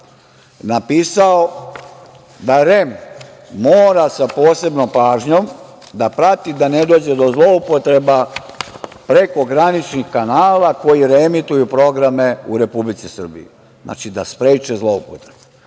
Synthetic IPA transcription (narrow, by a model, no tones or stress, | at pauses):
napiːsao | d̪aɾe̞mː | oːɾasapo̞ːse̞bnompaːʒɲo̞m | d̪apɾat̪id̪ane̞d̪o̞ːd͡ʑe̞d̪o̞zlˠo̞upo̞t̪ɾe̞ba | pɾe̞ko̞ɡɾanit͡ʃnixkanaːlako̞jiɾemit̪ujupɾo̞ɡɾame̞uɾe̞publit̪sisr̩bḭjḭ | nʔa̰ːt͡ʃid̪aspɾeːt͡ʃezlˠo̞upot̪ɾebe